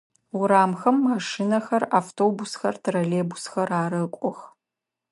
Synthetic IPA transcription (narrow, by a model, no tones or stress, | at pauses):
wʊɾaːmxɐmːaːʂinɐxɐraːftʰoːbʊsxɐrtʰraleːbusxɐraːɾɐkʷʼɔx